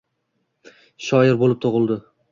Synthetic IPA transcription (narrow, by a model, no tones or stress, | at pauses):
ʃɒjɪɾbolɪp̚t̪ʰoʁɨlˠd̪ɪ